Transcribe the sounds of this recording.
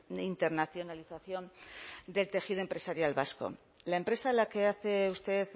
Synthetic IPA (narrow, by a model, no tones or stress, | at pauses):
int̪e̞ɾnaθjo̞naliθaθjo̞nd̪e̞lt̪e̞xiðoempɾe̞saɾjalβasko̰ | laempɾe̞salake̞aθe̞ust̪e̞ð